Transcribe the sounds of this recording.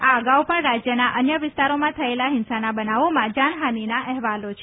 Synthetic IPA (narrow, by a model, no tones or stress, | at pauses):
aəɡaupəɳɾad͡ʒjənaʔənjəʋɪst̪aɾomãt̪ʰəelaɦɪnsanabənaʋomãd͡ʒaɳɦaninaʔɛɦʋalot͡ʃʰe